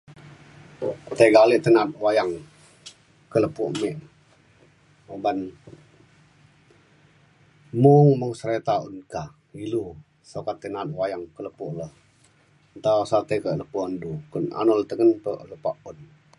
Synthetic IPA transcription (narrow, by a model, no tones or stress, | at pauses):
t̪eɡaliʔt̪ənat̪̚wajaŋ | kələpuʔmɛʔ | oban | muŋməŋsəɾet̪aṵnka | ilu | sokat̪ːənat̪̚wajaŋkələpuʔləh | nt̪asat̪ekəʔləpuandukuna̰nɔlt̪əŋənpəʔləpaʔun